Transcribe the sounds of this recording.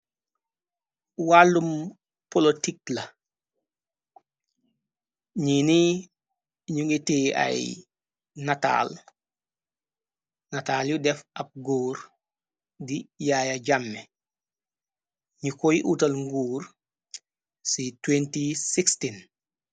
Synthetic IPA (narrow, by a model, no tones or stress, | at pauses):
walːum | polotik̚lɐ | ɲini | ɲuŋɡitia̰j̰ | nata̰l | nataːljudɛfap̚ɡuːɾ | dijajaɟamːe | ɲikojiʔutɐlŋɡuːɾ | sitwentisikstin